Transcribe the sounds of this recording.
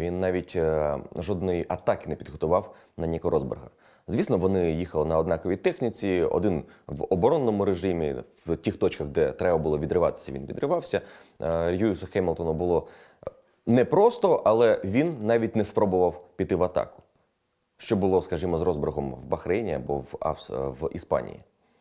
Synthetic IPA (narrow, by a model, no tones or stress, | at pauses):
ʋʲinːɑʋʲitʲʒɔd̪nɔjiʔɐt̪ɑkɪnɛpʲid̪ɦɔt̪ʊʋɑw | nɐnʲikɔɾɔzbɪ̰rɦɐ̰ | zʋʲisnɔʋɔnɪjixɐlˠɪnɐɔd̪nɑkɔʋʲijt̪ɛxnʲit͡sʲiɔ̰d̪ɪnʋɔbɔɾɔnːɔmʊɾeʒɪmʲḭwtʲixt̪ɔt͡ʃkɐɣd̪ɛt̪ɾɛbɐbʊlˠɔʋʲid̪ɾɪʋɑt̪ɪ̥sʲɐ̰ʋḭnʋʲḭd̪ɾɪʋɑwsʲɐ | juisʊxɛjmlˠt̪ɔnɔbʊlˠɔ | nɛpɾɔst̪ɔʔɐlˠɛʋʲinːɑʋʲit̚ʲnɛspɾɔbʊʋɐwpʲit̪ːɪʋɐt̪ɑ̰kʊ̥ | ʃt͡ʃɔbʊlˠɔskɐʒimɔzrɔzbɪrɦɔmʋbɐxɾɛnʲiɐ̰bɔʋɑ̰ʋḭspɑ̰nʲḭjḭ